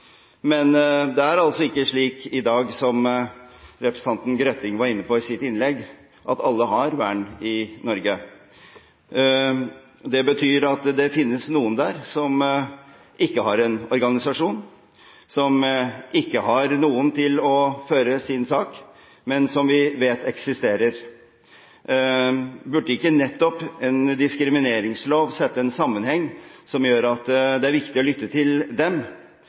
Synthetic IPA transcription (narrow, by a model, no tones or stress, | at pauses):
mɛnd̪ɛæɾɑlt̪sɔɪkːəʂɭiːkɪd̪ɑːɡsɔm | ɾɛpɾəsn̩ɑnt̪n̩ɡɾœt̪ːɪŋʋɑɾɪnːəpʰɔɪsɪt̪ːɪnlɛɡ | ʔɑt̪ɑlːəɦɑɾʋæɳɪnɔɾɡə | d̪ɛbət̪ʰyːɾɑt̪d̪ɛfɪnːəsnuːənd̪æːɾsɔm | ʔɪkːəɦɑɾɛnɔɾɡɑnɪsɑʂuːn | sɔmʔɪkːəɦɑɾnuːənt̪ʰɪlɔføːɾəsɪnsɑːk | mɛnsɔmʋɪʋeːt̪ɛksɪst̪eːɾəɾ | bʉɖəɪkːənɛt̪ːɔpɛnd̪ɪskɾɪmɪneːɾɪŋsloːʋsɛt̪ːəɛnsɑmːənhɛŋːsɔmjøːɾɑt̪d̪ɛæɾʋɪkt̪ɪɔlʏt̪ːət̪ʰɪld̪ɛm